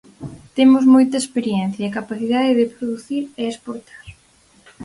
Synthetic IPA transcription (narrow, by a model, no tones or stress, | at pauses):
t̪emʊzmojt̪ɐespeɾjɛn̟θjɐɐkapaθiðaðeðɪpɾoðuθiɾeespoɾt̪ḁɾ